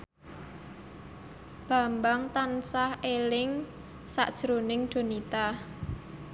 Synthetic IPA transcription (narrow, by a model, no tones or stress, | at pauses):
b̥ä̤mbaŋt̪ansahelɪŋ | sa̰ʔd̥ʒ̥ɾonɪŋd̥o̤nit̪a